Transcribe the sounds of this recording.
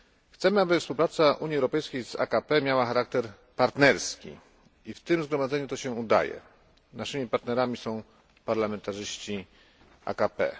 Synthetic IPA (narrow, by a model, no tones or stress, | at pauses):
xt̪sɛmɘabɘfspuwpɾat̪saʔuɲjiɛwɾɔpɛjskʲejza̰kapɛmʲjawaxaɾak̚t̪ɛɾ | paɾt̪nɛɾskʲḭ | ift̪ɘmzɡɾɔmad̪zɛɲut̪ɔɕɛud̪a̰jɛ̰ | naʂɘmʲipaɾt̪nɛɾamʲisɔ̃w̃ | paɾlamɛnt̪aʐɘɕt͡ɕi | a̰kapɛ̰